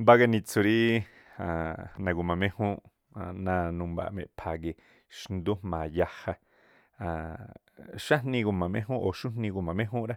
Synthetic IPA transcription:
mba˦ɡa˧nĩ˧t͡su˧ɾi˦ | a˨nã˨ɡu˨mã˨mẽ˦hũ˦ʔ | nã˧nũ˧mba̰˧˨mḛ̃˨ʔpʰa˨ɡe˧ | ʃnd̪u˦mã˨ja˧ha˧ | a˨ | ʃa˦nnĩ˧ɡu˧˨mã˨mḛ̃˦ɦũ˦ʔo˨ʃu˦nnĩ˧ɡu˨mã˨mẽ˦ɦũ˦ʔɾa˦

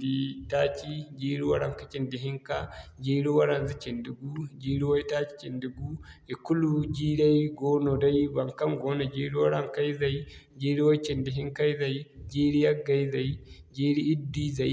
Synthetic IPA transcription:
di˦taː˦t͡ʃi˦d͡ʒiː˦ɾi˦wa˦ɽa˦ŋka˦t͡ʃi˨ndi˨ɦi˦ŋka˦d͡ʒeː˦ɽi˦wa˦ɾa˦nzi˦t͡ʃi˨ndi˨ɡu˦d͡ʒiː˦ɾi˦wa˦jtaː˦t͡ʃi̥˦t͡ʃi˨ndi˨ɡu˦i˨ku˦lu˦d͡ʒiː˦ɽa˦jɡo˦no˨da˦jba˨ŋka˦ŋɡoː˦na˨d͡ʒe˦ɽi˦wa˦ɽa˦ŋka˦jza˨ji | d͡ʒeː˦ɾi˦wa˦t͡ʃi˨ndi˨ɦi˦ŋka˦i˦za˨jd͡ʒeː˦ɽi˦ja˦ɡa˦jza˨jd͡ʒeː˦ɽi˦i˦dːi˦za˨j

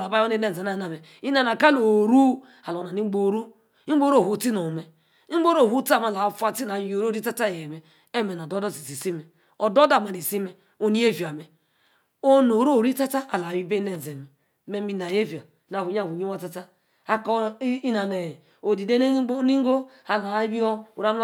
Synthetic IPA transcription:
la˨ba˦o˦e˦ne˦n˨e˨na˨na˨me˨ | i˦na˨na˨ka˦lo˨ɾu˦ | a˨lo˨na˨ni˦ɡ͡bo˦˨˦ɾu˦ | i˦o˦ɾo˦˨hu˨˦ti˦no˨me˨ | i˦ɡ͡bo˦ɾo˦˨u˦ta˦˨ma˨la˨˦fu˦a˦ti˦na˨˦o˨ɾo˦ɾi˦a˦ta˦je˨me˨ | e˦˨me˨na˨do˦do˦si˨ti˨si˦me˨ | o˨do˦da˦˨ma˨ni˨si˦me˨ | o˨ni˦e˦vi˨a˨me˨ | o˦no˨ɾo˦˨ɾi˦ta˦ta˦a˨la˨i˦be˦ne˦˨n˨ze˨me˨˦ | me˨mi˨na˨je˦vi˨a˨˦na˨βu˨˦ɲa˦˨u˨ɲi˦wa˦ta˦ta˦ | a˦ko˦i˦na˨ne˨ | o˨di˨de˦n˦ni˦ŋ˦ɡo˦a˨la˨˦bi˦o˦u˨ɾa˦

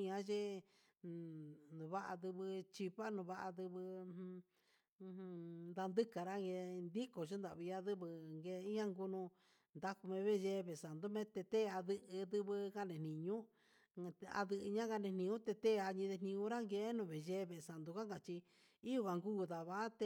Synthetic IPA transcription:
ɲã˧ʒe˦ | nũ˨βa˦ʔa̰˧ðɨ˧βɨ˧t͡ʃi˧pa˦nũ˧βa˧˦ʔa˧ðɨ˧βɨ̃˧ | nd̪a˧nd̪ɨ˦ka˨ɾa˦ŋɡe˧nd̪i˦ko˨t͡ʃe˦nd̪a˨βi˧a˧ðɨ˦βɨ˧ŋɡe˧i˦ã˦ŋɡu˧nũ˧ | nd̪a˦ku˧mẽ˧βe˦˧ʒe˧˦˧βe˨sa˨nd̪u˦mẽ˧˦t̪e˧t̪e˦˧a˧ðɨ˧ʔɨ˧ðɨ˧βɨ˧ka˦˨nẽ˨nĩ˨ɲũ˦˧ | a̰˧ðɨ˧ʔɨ˧ɲã˦ɡa˧nẽ˧nĩ˧ũ˦t̪e˧t̪e˦˧a˧ɲĩ˧ðe˧nĩ˧ũ˧˦ɾa˦ŋɡe˧˦nũ˧˨βe˨ʒe˧˦˧βe˨sa˨nd̪u˧ka˦ŋɡa˨t͡ʃi˧ | i˦u˧βa˨˧ŋɡuː˦˨ða˨βa˦t̪e˧

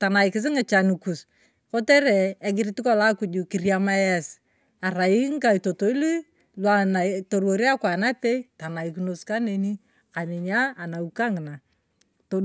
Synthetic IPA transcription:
ta˨na˨ɪkɪ˨s̬ɪ˦ŋɪ˨t͡ʃa˨ni˨ku˨s | ko˦tɛ˦ɾɛ˨ɛ˦ɡɪ˦ɾi˦ti˦kɔ˦la˦ku˦d͡ʒu˨ki˨rja˦ma˦jɛ˦s | a˨ɾa˨ji˦ŋ˦ka˨i˨to˨to˨˦i˦li˦ | lwa˨na˨to˨ɾwo˨ɾi˦a˦kwa˨na˦te˦ita˨na˨i˨ki˨no˨ska˦ne˨ni˦ | ka˨nɪ˨ɲaː˦˨na˨uka˦ŋ˨na˨ | to˦

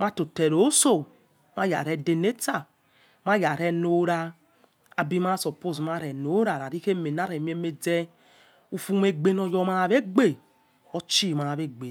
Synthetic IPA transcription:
ma˦to˨tɛ˨ɾo˨˦so˦˨ | ma˦ja̰˨ɾɛ˦de˨ne˦ta˦˨ | ma˦ja˨ɾɛ˦no˦ɾa˦ | a˨bi˦ma˦˨sɔ˨po˦˨sma˦˨ɾɛ˨no˨˦ɾa˨ɾa˨ɾi˦ke˦me˨na˦ɾɛ˨mi˦e˦me˨d͡zɛ˦ | u˦fu˦me˦ɡ͡be˦nɔ˨jɔ˦ma˦˨βe˦ɡ͡be˦˨ | ɔ˦t͡ʃi˦˨ma˨βe˦ɡ͡be˨

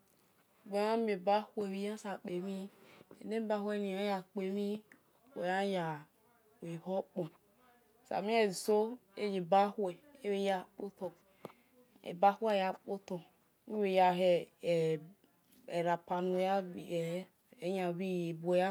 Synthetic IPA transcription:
ɡ͡bo˨˦a˦me˨ba˦hwe˨wi˨˦a˦sa˨k͡pe˨mi˦ḛ˨ne˦ba˦hwe˦ni˨a˦ja˨k͡pe˨mi˦ | e˨ja˦ja˨ | we˨ho˦k͡po˨ | sa̰˨mi˦e˦˨so˦e˦d͡ʒi˨ba˦hwɛ˨e˦we˨ja˦k͡po˦to˨ | ḛ˨ba˦hʷe˦˨ja˨k͡po˦to˨ | i˦we˨ja˨ɦe˨ | e˨ɾa˨pa˨nu˨ja˦˨ | e˨˦ɲa˨βi˦je˨bo˨ja˦

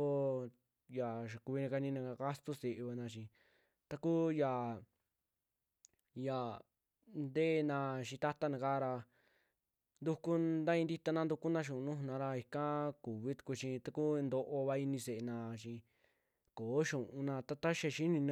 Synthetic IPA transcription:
o˧ | ja˨ʃ̬a˨ku˧βi˧nã˧ka˧nĩ˧nã˧ka˧ka˦st̪u˦se˨ʔβa˧nã˧ʃĩ˧ | t̪a˧ku˦ja˨ | ja˨ | nd̪e˦˧nã˧ʃĩ˧t̪a˦t̪a˦nã˧ka˦˧ɾa˧ | nd̪u˧ku˦d̪a˦ĩ˧nd̪i˧t̪a˧nã˧nd̪u˧ku˦nã˧ʃ̬ũ˨˧nũ˦˧nã˧ɾa˧i˧kã˦ku˨βi˦t̪u̥˧ku˧t͡ʃĩ˧t̪a˧ku˦nd̪o˧ʔo˧βa˧i˧nĩ˧se˨e˧nã˧ʃĩ˧ | koː˨˦ʃũ˨ʔũ˧nã˧t̪a˦t̪a˦ʃe˧ʃi˦nĩ˧nã˧

